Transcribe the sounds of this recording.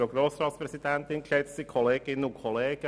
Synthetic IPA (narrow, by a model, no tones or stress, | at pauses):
oɡɾoːsɾɑːt̪spɾɛsid̪ɛnt̪ɪnkʰɛt̪sikʰɔleːɡ̥ɪnːukʰɔleːɡ̥ə